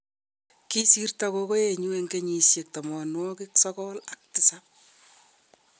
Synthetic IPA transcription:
ki˦si˦rtako˦ko˦je˨ɲu˦e˨ŋɡe˦ɲi˨sje˨k̚ta˨mɔ˨nwɔ˦ki˦ksɔkɔ˦la˦k̚tɪ˨sap̚

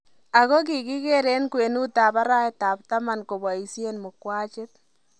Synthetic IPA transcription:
a˨ɣo˦k̬i˨ki˦ke˦ɾe˦nkwe˨nu˦ta˨ba˦ɾa˦ɛtaː˨p̚ta˦ma˨nko˨ba˨i˨sje˦nmʊ˨kwaː˦t͡ʃɪ˦t̪̚

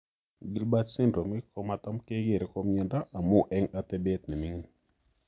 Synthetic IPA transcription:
ɡi˦lba˦tsɪ˦ndo˨mɪ˦kɔ˦ma˨t̪a˦mke˦ɡe˦˨ɾe˦kɔ˦mjɛ˨nda˦ʔa˨mo˦ʔɛ˦ŋa˦t̪ɛ˦bɛ˦t̪nɛ˨mi˨˦ŋ˦n

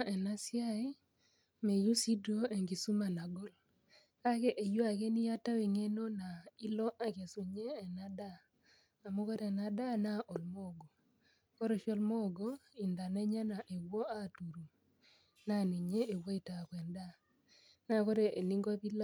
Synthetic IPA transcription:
ʔɛ˨na˦sja˦i˦ | me˨ju˦si˦do˦e˨ŋɡi˨su˦ma˨na˨ɡɔ˦l | ka˦ke˦ʔe˨jo˦a˨ke˦ni˦ja˦ta˦wi˨ŋe˦no˦na˨i˦lɔ˦ʔa˦ke˨su˨ɲeː˦˨na˦daː˦˨ | mo˦kɔ˦ɾɛ˨na˨da˦na˦ʔɔ˨lmo˦˨ɡo˨ | kɔ˦ɾɔ˨ʃɔ˦lmo˦˨ɡo˦i˨nda˨nɛ˦ɲa˦na˨ʔe˨wo˦a˦˨tu˨ɾu˨ | na˦˨ni˨ɲeː˦˨wo˦i˨ta˨kwɛ˨nda˦ | na˦˨kɔ˦ɾe˨e˨ni˦ŋɡɔ˦pi˦l

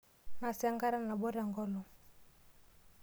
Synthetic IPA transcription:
na˨sa˦ŋɡa˦ɾa˦na˨bɔ˦ɾa˨ŋɡɔ˦lɔ˨

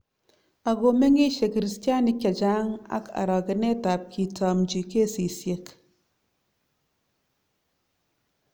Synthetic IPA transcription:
a˨ɡo˨me˦ŋi˦ʃe˨ki˨ɾi˨˦stja˦ni˦kʲːa˨d͡ʒa˦ŋa̰˦ka̰˨ɾɔ˨ke˨ne˦ta˨p̚ki˨tɔ˨md͡ʒi˨ke˦˨si˨sje˨k

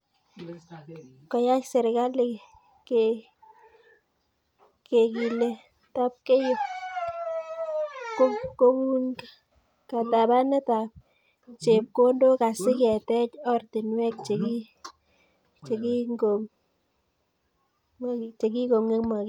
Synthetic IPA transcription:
kɔ˨ja˦kse˨ɾka˦li˨ | ke | ke˨ki˨le˨ | ta˦p̚ke˦jʊ˦p̚ | ko˦ko˦ku˦ŋka | ka˨ta˨ba˦ne˦ta˨p̚ | t͡ʃe˨p̚ko˦ndo˦ka˨sɪ˦kɛ˨tɛ˦t͡ʃɔ˦rtɪ˨nwɛ˦k̚t͡ʃe˨ki˦ | t͡ʃe˨ki˦ŋɡo˨ŋ | t͡ʃe˨ki˦ko˨ŋe˦kma˨k

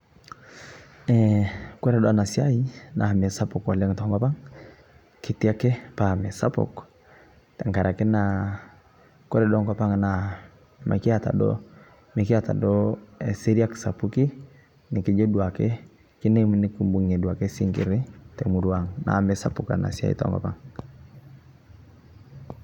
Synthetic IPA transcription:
ɛ˨kwɛ˦ɾɛ˨dɔ˦a˨na˨si˦a˦i˦na˨mɛ˨sa˦pɔ˨kwa˨lɛ˦ŋtɔ˨ŋɡa˦pa˦ŋ | ki˦ti˦a˦kɛ˦pa˨mɛ˨sa˦pɔ̰˨k | tɛ˨ŋka˨ɾa˨kɛ˦na˨ | kɔ˦ɾɛ˦dɔ˦ŋɡa˦pa˦ŋna˨ | ma̰˨ki˦a˨ta̰˨dɔ̰˦ | me˨ki˦a˦˨ta̰˨dɔ˦e˨si˦ɾi˦a˦ksa˨pu˦ki˦ | ni˨ki˦d͡ʒo˦du˨a˨kɛ˦ | ki˦ne˦mi˦ni˦ku˦mbu˨ŋe˨du˨a˨ke˦si˦ŋkḭ˨ɾi˦te˨mu˨du˦a˨ŋna̰˨mɛ˨sa˦pu˨ka̰˨na̰˨si˦a̰˦ḭ˦tɔ̰˨ŋɡɔ̰˨pa̰˦ŋ

